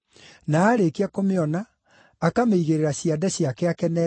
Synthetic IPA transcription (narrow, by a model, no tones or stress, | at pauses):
naːɾekeakomeɔnaː | kameiɣeɾeɾaɕiadɛɕjakɛakɛnɛ